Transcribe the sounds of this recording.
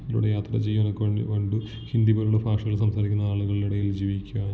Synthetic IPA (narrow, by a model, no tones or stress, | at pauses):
ɐlṵɽejaːt̪rɐt͡ɕejːukoɳɖɨ | hind̪iboːɾuɭːɐfaːʂɐɣɐɭsɐmsaːɾikʲːunːɐaːɭuɣɐɭiluɽejild͡ʑiːʋikʲːuaː